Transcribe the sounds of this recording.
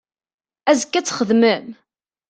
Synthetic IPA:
æzəkːæt͡sːχəðməm

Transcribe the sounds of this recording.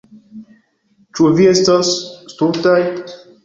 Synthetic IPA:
t͡ʃuviest̪asst̪uɾt̪aj

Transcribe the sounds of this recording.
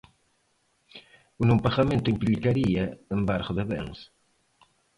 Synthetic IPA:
unompaɣamẽnt̪ʊimplikaɾiɐembaɾχʊðeβḛŋs

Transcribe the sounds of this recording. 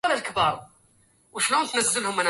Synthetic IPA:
ælælkbɑɾˤ | wəʃlænt̪nəzːəlhʊmænæ

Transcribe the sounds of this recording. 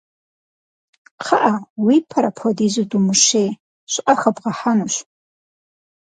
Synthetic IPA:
qʰaʔawipʰaɾapʰodizɨdumuʃej | ʃʷʔʼaxabʁaħanuʃʷ

